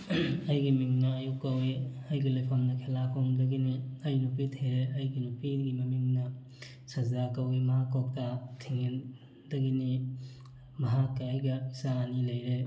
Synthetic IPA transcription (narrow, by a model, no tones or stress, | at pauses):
ɐjɡimiŋnɐːjukːɐwiɐjɡilojpʰamnɐkʰelakʰoŋdɐɡiniɐjnupitʰeɾeɐjɡinupiɡimɐmiŋnɐ | sɐzakɐwimɐɦakok̚tatʰiŋen | dɐɡini | mɐɦakːɐɐjɡɐisaːnilɐjɾe